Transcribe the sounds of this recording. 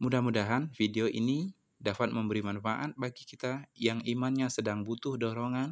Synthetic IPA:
mudahmudaɦanfideoʔḭni | dafat̪̚məmbəɾimanfaʔat̪̚baɡikit̪ajaŋimanɲasədaŋbut̪ʊhdɔɾɔŋan

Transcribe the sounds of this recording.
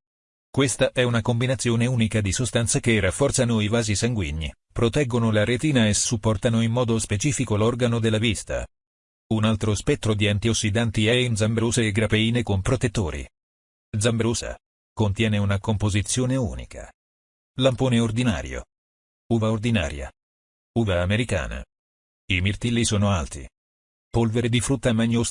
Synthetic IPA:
kwest̪aʔɛunakombinat̪sːjoːneuːnikad̪isost̪ant̪sakerːafːɔrt̪sanoivaːzisaŋɡwiɲːḭ | pɾot̪ɛɡːonolaɾet̪iːnaesupːɔrt̪anoimːɔːd̪ospet͡ʃiːfikolɔrɡanod̪elːavist̪a̰ | unalt̪ɾospɛt̪ːɾod̪iant̪iosːid̪ant̪iɛind̪zambɾuːseːɡɾapeiːnekompɾot̪et̪ːoːɾḭ | d̪zambɾuːsa̰ | kont̪jɛːneunakompozit̪sːjoːneṵːnḭka̰ | lampoːneord̪ina̰ːɾjo̰ | uːvaord̪ina̰ːɾja̰ | uːvaːmeɾika̰ːna̰ | imirt̪ilːisoːnoalt̪ḭ | polveɾed̪ifɾut̪ːamaɲːos

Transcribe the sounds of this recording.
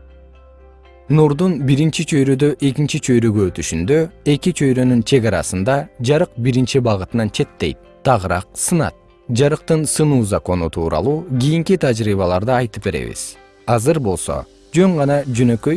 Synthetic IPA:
nuɾd̪unbiɾint͡ʃit͡ʃʰø̞jɾød̪ø̞ʔe̞kint͡ʃit͡ʃʰø̞jɾøɡøːt̪yʃynd̪ø̞e̞kit͡ʃʰø̞jɾø̞nynt͡ʃʰe̞ɣɑɾɑ̰sɯnd̪ɑd͡ʒɑɾɯq̚biɾint͡ʃibɑʁɯt̪ɯnɑnt͡ʃʰe̞t̪ːe̞̰jt̪̚ | t̪ʰːɑʁɯɾɑ̰q̚sɯnɑ̰t̪̚ | d͡ʒɑɾɯq̚t̪ɯnsɯnuːzɑko̞nut̪ʰuːɾɑ̰lˠuːɡʲijiŋkit̪ʰad͡ʒɾiːβɑlˠɑɾd̪ɑɑjt̪ɯpbe̞ɾe̞̰βḭz̥ | ɑzɯɾbo̞lˠso̞̰ | d͡ʒø̞ŋʁɑnɑd͡ʒønø̞kø̞j

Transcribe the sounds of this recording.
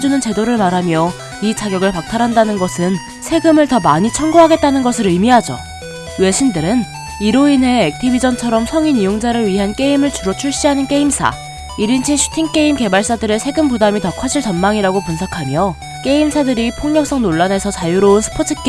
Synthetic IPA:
d͡ʑunɯnt͡ɕe̞doɾɯɭmaɾɦamjʌ | it͡ɕʰaɡjʌɡɯɭpak̚tʰaɾɦandanɯnɡʌsʰɯn | sʰe̞ɡɯmɯɭtʌmaɲit͡ɕʰʌnɡoɦaɡe̞t̚t͈anɯnɡʌsʰɯɾɯmiɦad͡ʑo̰ | we̞ɕʰindɯɾɯn | iɾoinɦe̞ːk̚tʰibid͡ʑʌnt͡ɕʰʌɾʌmsʰʌŋinijoŋd͡ʑaɾɯɭɥiɦank͈e̞imɯɭt͡ɕuɾʌt͡ɕʰuɭɕ͈iɦanɯnk͈e̞imsʰa̰ | iɾint͡ɕʰinɕʰu̥tʰiŋk͈e̞imke̞baɭs͈adɯɾe̞sʰe̞ɡɯmpudamitʌkʰaɕʰiɭt͡ɕʌnmaŋiɾaɡopunsʰakʰamjʌ | k͈e̞imsʰadɯɾipʰoŋɲʌk̚s͈ʌŋnoɭːane̞sʰʌt͡ɕajuɾounsʰɯ̥pʰotʰɯk͈e

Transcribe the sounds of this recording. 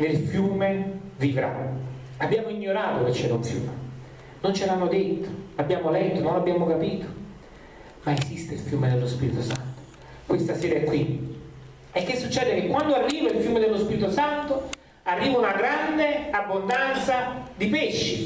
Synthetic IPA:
nelfjuːmevivɾa̰ | abjaːmoiɲːoɾaːt̪oket͡ʃːɛːɾauɱfjṵːme | nont͡ʃelaamod̪et̪ːo̥labːjaːmolɛt̪ːononlːabːjaːmokapiːt̪o̥ | maesist̪eilfjuːmed̪elːospiːɾit̪osant̪o̥ | kwest̪asɛːɾaɛkːwi | ɛkːesːut͡ʃːɛːd̪ek̟ekːwand̪oarːiːvailfjuːmed̪elːospiɾit̪osant̪o | arːiːvaunaɡɾand̪eabːond̪ant̪sad̪ipeʃːḭ

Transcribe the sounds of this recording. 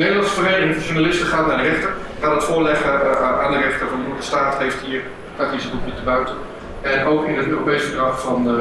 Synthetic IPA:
nedəlɑnsfəreɪnʒuɹnalɪsməχaːtnaːɹdərɛχtər | χaːnətfʊːɹlɛχəaːndərɛχtəɹvɑndəudəstaːtɦejftɦiːɹ | atisətupɪtəbœɥtən | ɛnowkɪnətøːrowpejsədrɑffɑn

